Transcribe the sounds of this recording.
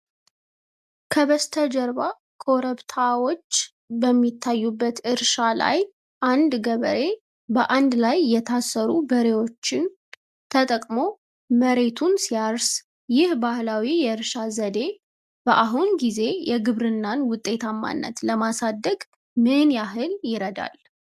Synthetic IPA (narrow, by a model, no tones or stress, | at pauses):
kʰəβəst̪ʰəd͡ʒəɾβa | kʰʼoɾəβt̪ʰawo̞t͡ʃː | bəmːit̪ʰːajːubːət̪ɨɾʃala̰j | ʔand̪ɡəβəɾe̞ | bəʔand̪lajːɛt̪ʰasːəɾubəɾe̞wo̞t͡ʃːɪn | t̪ʰət̪ʼəkʼmo̞ | məɾe̞t̪ʰunsijaɾs | jɪhbahlawijɛɨɾʃazəd̪e̞ | b̥əʔaɦunɡize̞jɛɡɨβɾɨnːanwʊt̪ʼːe̞t̪ʰamːa̰nːə̰t̪ləmasad̪ːəɡ | mɨnjaɦɨljɪɾəd̪a̰l